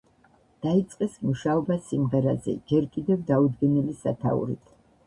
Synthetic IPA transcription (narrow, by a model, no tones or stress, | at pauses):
d̪̥ait̪sʼqʼɛsmuʃaɔbasimʁɛɾazɛ̰d͡ʒɛɾkʼid̪ɛvd̪aud̪ɡɛnilisa̰t̪ʰa̰ṵɾḭt̪ʰ